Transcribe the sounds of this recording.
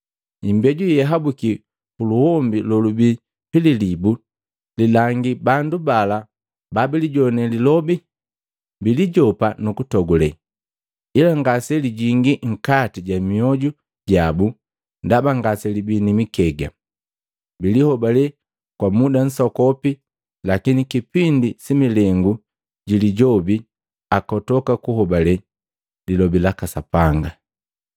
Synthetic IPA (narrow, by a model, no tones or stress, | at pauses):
imbɛɟujɛɦabuki | puluhɔmbilɔlubi | pililibu | lilaŋɡibandubala | babiliɟɔnɛlilɔbi | biliɟɔpanukutɔɡulɛ | ilaŋɡasɛliɟiŋɡiŋ̩katiɟamiɔɟu | ɟabu | ndabaŋɡasɛlibinimikɛɡa | bilihɔbalɛ | kwamudan̩sɔkɔpi | lakinikipindisimilɛŋɡu | ɟiliɟɔbi | akɔtɔkakuhɔbalɛ | lilɔbilakasapaŋɡa